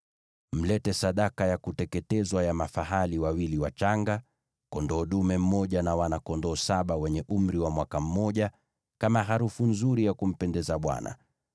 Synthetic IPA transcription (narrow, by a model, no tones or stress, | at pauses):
m̩lɛtɛsaɗakajakutɛkɛtɛzwajamafaɦaliwawiliwat͡ʃaŋɡa | kɔndɔːɗumɛm̩mɔʄanawanakɔndɔːsaɓawɛɲɛʔum̩ɾiwamwakam̩mɔʄa | kamaɦaɾufunzuɾijakum̩pɛndɛzaɓwa̰na̰